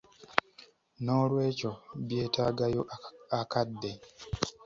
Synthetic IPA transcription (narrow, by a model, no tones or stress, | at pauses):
no̞ːlwe̞ːco̞βje̞ːtaːɡajo̞akadːe̞